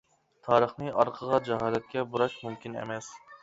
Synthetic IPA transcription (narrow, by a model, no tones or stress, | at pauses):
t̪ʰɑːɾəχnɨʔɑɾqʰəʁɑd͡ʒɛɦɑːlɛt̪̚kʲɛbuɾɑʃmumkʲʰinḛmɛs